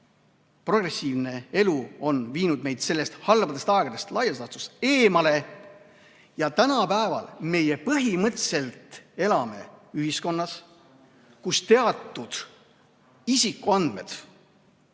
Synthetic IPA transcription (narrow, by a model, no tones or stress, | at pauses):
pro̞ɡre̞sʲiːvne̞e̞luo̞nviːnud̪̚me̞jd̪̥se̞lːe̞st̪hɑlbɑd̪est̪ɑeɡ̥d̪est̪lɑjɑsɑt̪use̞ːmɑle̞ | jɑt̪ænɑpæevɑ̰lme̞je̞pɤɦimɤt̪se̞lt̪e̞lɑme̞̰yhisko̞nːɑs | kust̪e̞ɑt̪ːˑud̪̥ | isikːˑuɑnd̪̥me̞̰d̪̥